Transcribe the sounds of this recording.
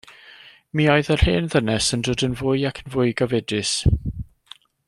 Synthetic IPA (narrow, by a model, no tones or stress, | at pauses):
miːɔɨðər̥heːnðənɛsəndoːdənvʊjakʰənvʊːɨɡɔvɛdɪs